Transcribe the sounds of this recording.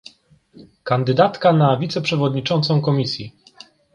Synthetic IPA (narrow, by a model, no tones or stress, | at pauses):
kand̪ɘd̪at̪kanavʲit̪sɛpʂɛvɔd̪ɲit͡ʂɔnt̪sɔ̃w̃kɔmʲisʲji